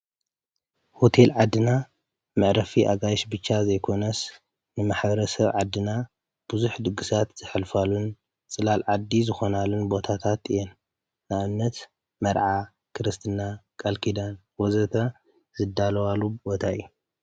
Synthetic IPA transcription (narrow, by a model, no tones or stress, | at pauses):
hot̪ʰelʕad̪ːɨna | mɨʕɾɐfiʔa̰ɡajʃbɨt͡ʃːazɐjkʰo̞nɐs | nɨmaħbɐɾɐsɐβʕad̪ːɨna | b̥ɨzuħd̪ɨɡːɨsat̪z̥ɨħɨlfalun | t͡sʼɨlalʕad̪ːizɨxo̞nalunbo̞t̪ʰat̪ʰat̪ɨjɛnː | aβɨnːɐt̪ | mɐɾʕa | kʰɨɾɨst̪ʰɨnːakʼɐlkʰid̪ɐn | wozɐt̪ʰɐ | zɨd̪ːalɐwalːubo̞t̪ʰaɨ̰jːu